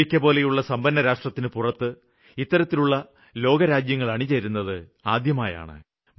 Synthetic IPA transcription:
ikʲːɐpo̞ːle̞juɭːɐsɐmbɐnːɐɾaːʂʈrɐt̪ːinɨpurɐt̪ːɨ | it̪ːɐɾɐt̪ːiluɭːɐ | lo̞ːɡɐɾaːd͡ʑjɐŋːɐɭɐɳit͡ɕeɾunːɐðɨ | aːd̪jɐmaːja̰ːɳɨ̰ | m

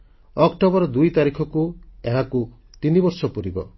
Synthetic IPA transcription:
ɔkʈobɔɾɔd̪ujt̪aɾikʰɔkueɦaku | t̪inibɔɾsɔpuɾibɔ̰

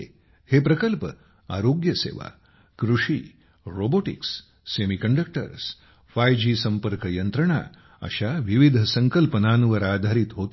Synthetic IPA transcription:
hepɾɐkəlpə | a̰ːɾoːɡjɐsḛːʋa̰ | kɾuʂiː | ɾoːboʈḭksː | eːmikɐɳɖək̚ʈə̰ɾs | fajd͡ʒiːsɐmpəɾkɐjɐnt̪ɾəɳa̰ | ɐ̰ʃaʋiʋid̪ʱɐsɐŋkəlpənaːnuʋɐɾaːd̪ʱaɾit̪ɦoːt̪

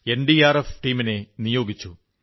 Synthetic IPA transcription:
e̞nɖiaːrefʈiːmine̞nijo̞ːɡit͡ɕːu

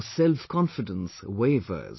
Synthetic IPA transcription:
sɛlˠfkʰɒ̃nfɪdə̃nsəweɪvə̰z̥

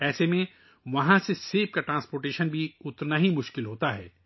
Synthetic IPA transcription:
ɛːsemẽ | ʋɐɦãseseːp̚kaʈɾãːnspoːɾʈeːʃənbʱiʊt̪naɦimʊʃkɪlɦoːt̪aɦɛ̰ː

